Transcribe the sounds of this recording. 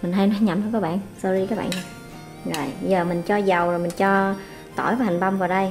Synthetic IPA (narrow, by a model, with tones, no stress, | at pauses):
mi˨˩ŋha˧jnɔ˨˦ɲa˨˩mhə˧jkɔː˨˦˥ɓa̰ː˧˨nsə˧zi˧kaː˦˥k̚ɓ̰ːna˨˩ | zo˨˩jzəː˨˩mï˨˩ŋ̟t͡ɕɔ˧za˨˩wzo˨˩jmï˨˩ŋ̟t͡ɕɔ˧ | t̪o̰˧˩jvaː˧˦ha˨˩ŋɓa˧wŋ͡mvaː˨˩wɗə˧j